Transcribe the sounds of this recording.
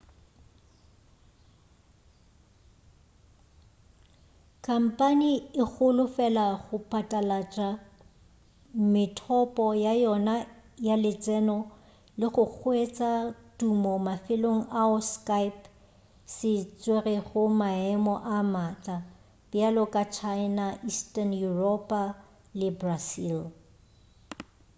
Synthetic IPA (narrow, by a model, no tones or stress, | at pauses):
kʰʼam̩pʼaniɪk͡xʊlʊfɛlaɣʊpʼatʼalat͡ʃʼa | mɪtʰɔpʼɔjajɔnajalɪt͡sʼɛnɔ | lɪχʊk͡xʰwet͡sʼatumɔmafɪloŋ̩ʔaʊskajp | sɪt͡sʼwerɛχʊmaɛmɔʔamata | b̥jalɔkʼat͡ʃʰaɪnaʔistʼanjurɔpʼa | lɪbrasil